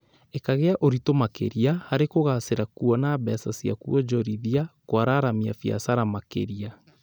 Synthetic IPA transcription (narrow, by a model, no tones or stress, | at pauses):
ekaɣeaʔoɾitomakḛɾiahaɾekoɣaseɾakuɔnaːβɛsasia̰kuɔd͡ʒɔɾiðiakwaɾaːɾamia̰fia̰saɾamakḛɾia